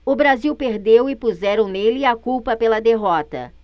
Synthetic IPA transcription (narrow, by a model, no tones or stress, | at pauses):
ʊbɾaziwpeɾd̪ewɪpuzɛɾɐ̃w̃nelɪakuwpɐpelɐd̪eɦɔt̪ɐ̰